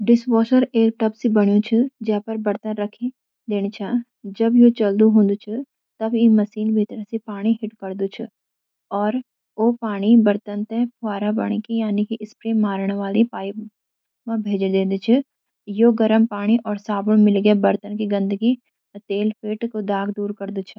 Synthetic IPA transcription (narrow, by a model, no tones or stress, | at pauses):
ɖɪsʋoːʃəɾeːɾʈɐpsibɐɽ̃jõt͡ʃʰid͡ʒɐpɐɾbɐɾt̪ənɾɐkʰi | d̪eːɽ̃it͡ʃʰaː | d͡ʒɐbjot͡ʃɐld̪uɦõːnd̪ut͡ʃʰɪ | t̪ɐbjimɐsiːnbʱiːt̪ɾəsipaːɽ̃iɦɪʈkɐɾd̪ut͡ʃʰɪ̰ | ɔːɾ | oːpaːɽ̃ibɐɾt̪ənt̪epʰʊaːɾãbɐ̰ɽ̃ikijaːnikiʔɪspɾemaːɾɽ̃ʋaːlipaːɪp | mãbʱeːd͡ʒd̪ẽːd̪ut͡ʃʰi | joɡɐɾəmpaːɽ̃iʔɔːɾsaːbʊɽ̃mɪlɡebɐɾt̪ənkiɡɐ̃nd̪əɡi | t̪eːlpʰeːʈkod̪aːɡd̪uːɾkɐɾd̪ut͡ʃʰɪ